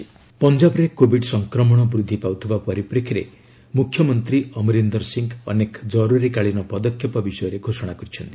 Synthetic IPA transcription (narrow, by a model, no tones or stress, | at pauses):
pɔnd͡ʒabɔɾekobʱiɖsɔŋkɾɔmɔɽ̃ɔbɾud̪ʱːipawt̪ʰibapɔɾipɾekʰiɾe | mukʰjɔmɔnt̪ɾiɔmiɾend̪ɔɾsiŋɡɔ̰nekd͡ʒɔɾuɾikaɭinɔpɔd̪ɔkʰjɔpɔbisɔjɔɾeɡʱosɔɽ̃akɔɾit͡ʃʰɔnt̪i̥